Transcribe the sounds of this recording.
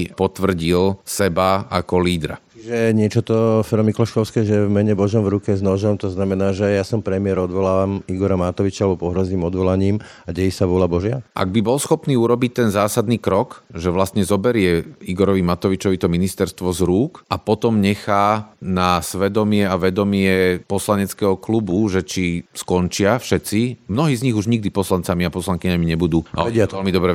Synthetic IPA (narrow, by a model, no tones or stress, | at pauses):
pɔt̪ʋr̩ɟilsɛbaakɔliːd̪ɾa̰t͡ʃiʒɛɲɪɛt͡ʃɔt̪ɔfɛɾɔmiklɔʃkɔʊskɛːʒɛɛvmɛɲɛbɔʒɔmvɾukɛznɔʒɔmt̪ɔznamɛnaːʒɛjasɔmpɾɛmɪɛɾɔd̪ʋɔlaːamiɡɔɾamat̪ɔʋit͡ʃalɛbɔpɔɦɾɔziːmɔd̪ʋɔlaɲiːm | aɟɛjisaʋʊɔlabɔʒɪaʔa̰ɡ̚bibɔlsxɔpniːuɾɔbic̚t̪ɛnzaːsad̪niːkɾɔkʒɛʋlast̪ɲɛzɔbɛɾɪɛiɡɔɾɔʋimat̪ɔʋit͡ʃɔʋit̪ɔminist̪ɛɾst̪ʋɔzɾuːkʔapɔt̪ɔmɲɛxaːnasʋɛd̪ɔmɪɛaʋɛd̪ɔmɪɛpɔslaɲɛt͡skɛɦɔklubuʒɛt͡ʃiskɔnt͡ʃɪafʃɛt̪t͡simnɔɦiːzɲiɣuʒɲiɡ̚d̪ipɔslant͡samiapɔslaŋkiɲamiɲɛbud̪uːa̰ɛɪaɛlmid̪ɔbɾɛ